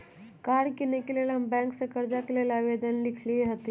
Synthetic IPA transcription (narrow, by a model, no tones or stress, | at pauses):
kaɽkinekelelɦəmbɛ̃ŋksəkəɾd͡zakelelaʋed̪ənlikʰlieɦət̪i